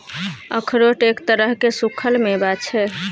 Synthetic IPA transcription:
ə̰kʰɾoʈekt̪əɾəɦkesukʰəlmebat͡ʃʰɛ

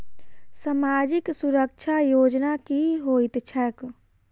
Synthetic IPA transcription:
səmaːd͡ʒɪksuɾək̚t͡ʃʰajoːd͡ʒnakiɦoit̪t͡ʃʰɛk

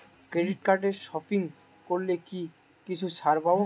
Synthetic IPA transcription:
kɾeɖiʈ̚kaɾʈeɾʃɔfiŋ | koɾleki | kit͡ɕʰuʃaɾba

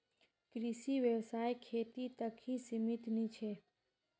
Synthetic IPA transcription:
kɾɪʃiʋjəʋsaːjkʰeːt̪it̪əkʰĩsɪmɪt̪nit͡ʃʰeː

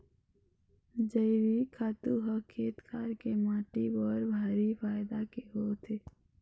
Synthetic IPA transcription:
d͡ʒəɪɾikʰaːt̪uɦəkʰːeːt̪kʰaːɾkemaːʈibɔːɾbʱaːɾifaːjd̪akeɦot̪ʰe

